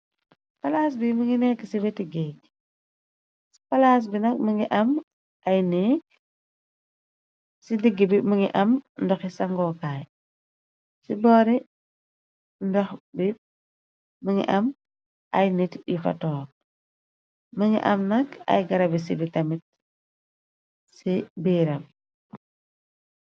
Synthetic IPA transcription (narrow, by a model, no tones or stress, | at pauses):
spɐlaːs̬biməŋinɛːksibetiɡɛːk̚ | si̥pɐlaːs̬binɐk̚məŋiʔɐm | ʔɐjnɛːk̚ | sidiɡːibimuŋiʔɐmndɔxisɐŋɡɔːkaːj | sibɔːɾi | ndɔxbi | məŋḭʔɐm | ʔɐjnitjifɐ̰tɔːɾ | mɐŋḭʔɐ̰mnɐkɐ̰jɡɐɾɐbis̬ibitɐmit̚ | sibiːɾɐm